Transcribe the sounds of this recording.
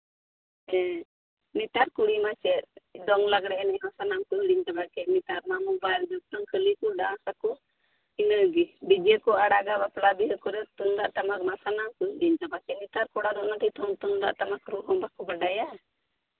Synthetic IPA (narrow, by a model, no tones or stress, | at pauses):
ɛ | nit̪aɾkuɽimat͡ʃɛd̪ɔŋlaɡɽɛnɛmasanamkɔɦiɽiɲt̪abakɛnit̪aɾmamubajld͡ʒɔk̚ʈ̪ɔŋkʰəlikɔɖãsakɔ | inəɡibid͡ʒɛkɔaɽaɡabaplabiɦəkɔɾɛt̪und̪aʔt̪amakmasanamkuɦiɽiɲt̪abakɛnit̪aɾkɔɽad̪ɔʔnat̪it̪ʰɔmt̪und̪a̰ʔt̪amakɾuɦɔmbakɔbaɖaja